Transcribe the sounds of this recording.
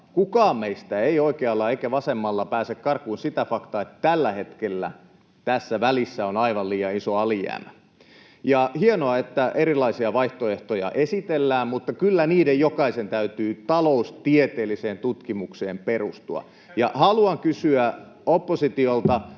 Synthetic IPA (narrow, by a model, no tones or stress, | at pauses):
kukɑːmmeist̪æeioikeɑlːɑeikæʋɑsemːɑlːɑpæːsekkɑrkuinsit̪æfɑkt̪ɑet̪t̪ælːæhet̪kelːæ̰ | t̪æsːæʋælisːæonɑiʋɑlliːjɑisoɑlijæ̰ːmæ | jɑhienoɑet̪ːæʔeɾilˑɑisiɑʋɑiht̪oeht̪ojɑ̰ʔesit̪elːæːmmut̪ːɑkylːæniːdejjokɑisent̪æyt̪yːt̪ɑloust̪iet̪eːlːiseːnt̪ut̪kimukseːmperust̪uɑ̰ | jɑhɑluɑŋkysyæ | opːosit̪iolt̪ɑ